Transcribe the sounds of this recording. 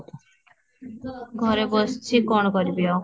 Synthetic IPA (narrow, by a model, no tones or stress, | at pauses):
ɡʱɔɾebɔst͡ʃʰikɔɳ̃ɔkɔɾibiaw